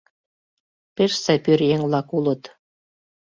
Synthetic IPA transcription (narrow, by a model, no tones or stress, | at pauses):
pʲeʃsæpʲyɾjeŋlɑkulɤ̆t̪